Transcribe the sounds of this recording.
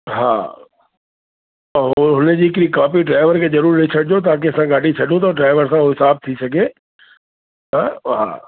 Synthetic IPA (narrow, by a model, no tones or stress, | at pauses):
ɦa̰ː | ɦʊned͡ʑiːɪkɾikaːpiɖɾaːɪʋəɾkʰezɐɾuːɾːeit͡ʃʰɐɽd͡ʑot̪̬aːkeɐsãɡaːɖʱit͡ʃʰɐɗũt̪̬ɐɖɾaːɪʋəɾsãoɦɪsaːb̚t̪ʰisɐɡe | t̪ɐɦa̰ː